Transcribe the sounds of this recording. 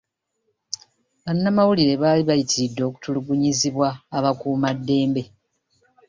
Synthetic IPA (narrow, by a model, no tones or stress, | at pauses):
βanːamawuliɾe̞βaːliβajitidːo̞ku̥tuluɡuɲiziβwaːβakuːmadːe̞ːmbe̞